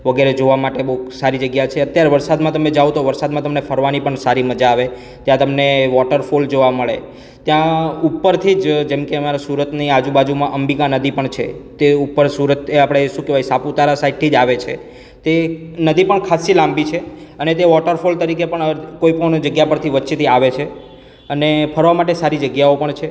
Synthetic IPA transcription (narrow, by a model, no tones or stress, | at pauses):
ʋəɡeɾed͡ʒoʋamaʈebəɦusaɾid͡ʒəɡjat͡ʃʰeət̪jaɾeʋəɾsad̪mãt̪əmed͡ʒawt̪ʰoʋəɾsad̪mãt̪əmnefʰəɾʋanipəɳsaɾiməd͡ʒaːʋe | t̪jãt̪əmneʋɔʈəɾfold͡ʒoʋaməɭḛ | t̪jãupːəɾt̪ʰid͡ʒd͡ʒemkeəmaɾasuɾət̪niad͡ʒũbad͡ʒumãʔəmbikãnəd̪ʱipəɳt͡ʃʰḛt̪eupːəɾsuɾət̪apɽ̃eʃũkeʋajsaput̪aɾasaiɖ̚t̪ʰid͡ʒaʋet͡ʃʰe | t̪enəd̪ʱipəɳkʰasilãmbit͡ʃʰeənet̪̬eʋɔʈəɾfolt̪əɾikepəɳəkoipənd͡ʒəɡjapəɾt̪ʰiʋətːʃet̪ʰiaʋet͡ʃʰe | ənepʰəɾʋamaʈ̬esaɾid͡ʒəɡjaopəɳt͡ʃʰe